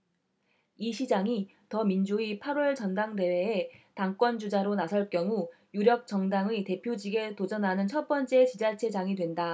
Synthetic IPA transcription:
iɕʰid͡ʑaŋi | tʌmind͡ʑuipʰaɾwʌɭt͡ɕʌndaŋde̞we̞ːtaŋk͈wʌnd͡ʑud͡ʑaɾonasʰʌɭk͈jʌŋu | juɾjʌk̚t͡ɕ͈ʌŋdaŋite̞pʰjod͡ʑiɡe̞tod͡ʑʌnɦanɯnt͡ɕʰʌt̚p͈ʌnt͡ɕ͈e̞t͡ɕid͡ʑat͡ɕʰe̞d͡ʑaŋidwe̞nda

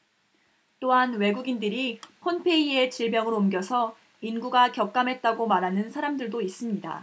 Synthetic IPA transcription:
t͈oɦanwe̞ɡuɡindɯɾipʰonpʰe̞ie̞t͡ɕiɭbjʌŋɯɾoumɡjʌsʰʌ | inɡuɡakjʌk̚k͈amɦe̞t̚t͈aɡomaɾɦanɯnsʰaɾamdɯɭdois͈ɯmɲida̰

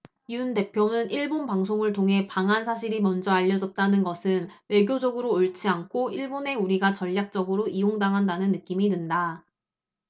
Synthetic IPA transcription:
iunde̞pʰjonɯniɭbonpaŋsʰoŋɯɭtʰoŋɦe̞paŋɦansʰaɕ̬ʰiɾimʌnd͡ʑʌaʎːʌd͡ʑʌt̚t͈anɯnɡʌsʰɯnwe̞ɡjod͡ʑʌɡɯɾoːɭt͡ɕʰiankʰoiɭbone̞uɾiɡat͡ɕʌʎːak̚t͡ɕ͈ʌɡɯɾoʔijoŋdaŋɦandanɯnːɯk͈imidɯnda

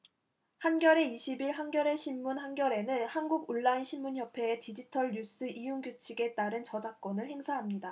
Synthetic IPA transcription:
hanɡjʌɾe̞iɕʰibiɭɦanɡjʌɾe̞ɕʰimːunɦanɡjʌɾe̞nɯnhanɡuɡuɭːainɕʰimːunçjʌpʰe̞ːtid͡ʑitʰʌɭɲus͈ɯʔijuŋɡjut͡ɕʰiɡe̞t͈aɾɯnt͡ɕʌd͡ʑak̚k͈ʌnɯɭhe̞ŋsʰaɦamɲida

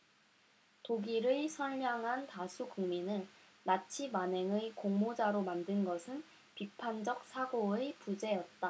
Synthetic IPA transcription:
toɡiɾɯɭsʰʌʎːaŋɦantasʰukuŋminɯɭːat͡ɕʰimaneŋɯkoŋmod͡ʑaɾomandɯnɡʌsʰɯn | pipʰand͡ʑʌk̚s͈ʰaɡoepud͡ʑe̞jʌt̚t͈a

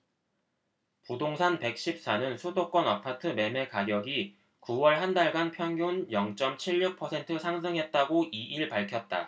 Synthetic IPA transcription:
pudoŋsʰanpe̞k̚ɕ͈ip̚s͈anɯnsʰudok͈ʌnapʰatʰɯme̞me̞kaɡjʌɡi | kuwʌɭɦandaɭɡanpʰjʌŋjunjʌŋt͡ɕ͈ʌmt͡ɕʰiʎːuk̚pʰʌsʰe̞ntʰɯsʰaŋs̬ʰɯŋɦe̞t̚t͈aɡoʔiʔiɭpaɭkʰjʌt̚t͈a̰

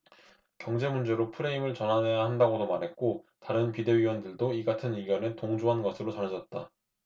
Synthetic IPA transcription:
kjʌŋd͡ʑe̞mund͡ʑe̞ɾopʰɯɾe̞imɯɭt͡ɕʌnɦane̞jahandaɡodomaɾɦe̞t̚k͈otaɾɯnpide̞wiwʌndɯɭdoiɡatʰɯniɡjʌnetoŋd͡ʑuɦanɡʌsʰɯɾot͡ɕʌned͡ʑʌt̚t͈a̰

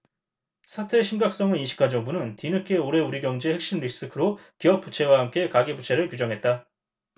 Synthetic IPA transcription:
sʰatʰɯeɕʰimɡak̚s͈ʌŋɯninɕʰi̥kʰad͡ʑʌŋbunɯntinɯkʰeoɾe̞uɾiɡjʌŋd͡ʑehek̚ɕ͈imɾis͈ɯkʰɯɾokiʌp̚p͈ut͡ɕʰe̞waɦamk͈e̞kaɡebut͡ɕʰe̞ɾɯɭkjud͡ʑʌŋɦe̞t̚t͈a

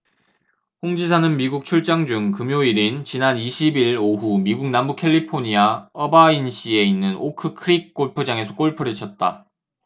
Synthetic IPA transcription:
ɸoŋd͡ʑisʰanɯnmiɡuk̚t͡ɕʰuɭt͡ɕ͈aŋd͡ʑuŋkɯmjoiɾint͡ɕinaniɕʰibiɭoɦumiɡuk̚nambukʰe̞ʎːipʰoɲiaʌbainɕ͈ie̞inːɯnokʰɯkʰɯɾik̚k͈oɭpʰɯd͡ʑaŋe̞sʰʌk͈oɭpʰɯɾit͡ɕʰʌt̚t͈a̰

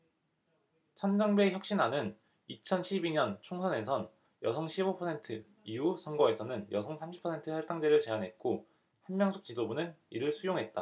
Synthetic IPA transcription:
t͡ɕʰʌnd͡ʑʌŋbe̞çjʌk̚ɕ͈inanɯn | it͡ɕʰʌnɕʰibiɲʌnt͡ɕʰoŋsʰʌne̞sʰʌn | jʌsʰʌŋɕʰibopʰʌsʰe̞ntʰɯ | ijusʰʌŋɡʌe̞sʰʌnɯnjʌsʰʌŋsʰamɕʰi̥pʰʌsʰe̞ntʰɯsʰaɭt͈aŋd͡ʑeɾɯɭt͡ɕe̞anɦe̞t̚k͈o | hanmjʌŋsʰuk̚t͡ɕ͈idobunɯniɾɯɭsʰujoŋɦe̞t̚t͈a

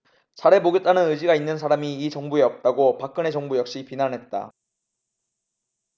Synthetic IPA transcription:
t͡ɕʰaɾe̞boɡet͈̚anɯnɯd͡ʑiɡainːɯns̬ʰaɾamiːt͡ɕʌŋbue̞ʌp̚t͈aɡopak͈̚ɯne̞t͡ɕʌŋbujʌk̚ɕ͈ipinanɦe̞t̚t͈a̰

